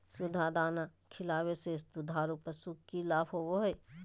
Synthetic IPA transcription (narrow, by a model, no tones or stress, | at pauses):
sud̪ʱad̪aːnakʰɪlaːwesesd̪ud̪ʱaːɾupəsukːilaːpʰoboɦəj